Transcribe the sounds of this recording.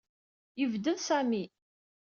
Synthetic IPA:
jəvd̪əðsæmi

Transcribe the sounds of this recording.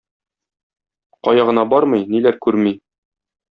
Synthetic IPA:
qɒjɑʁɤ̆nɑbɒɾmɤjnilæɾkʉɾmi

